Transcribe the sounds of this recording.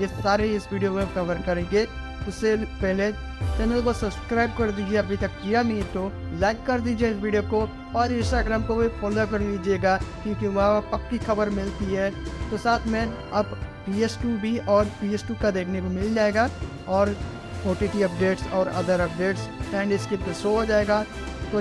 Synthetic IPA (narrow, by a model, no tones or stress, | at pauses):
jesaːɾeɪsʋiːɖijokẽkɐʋəɾkɐɾẽːɡe | ʊsːepɛɦle | t͡ʃɛːnəlkosɐbskɾaːɪb̚kɐɾd̪iːd͡ʒieɐbʱit̪ɐkːijamit̪olaːɪkːɐɾd̪iːd͡ʒieɪsʋiːɖijoko | ɔːɾɪ̃nsʈaːɡɾaːmkobʱifɔːlokɐɾliːd͡ʒieːɡakjõːkiʋɐɦapɐkːixɐbəɾmɪlt̪iɦɛːt̪osaːt̪ʰmẽ | ɐbpiːesʈubʱiɔːɾpiːesʈuːkad̪eːkʰnekomɪld͡ʒaːeːɡa | ɔːɾ | oːʈiʈiɐp̚ɖeːʈsɔːɾɐ̰d̪əɾɐp̚ɖeːʈsɛ̃ːɳɖɪskɪpkesood͡ʒaːeːɡa | t̪o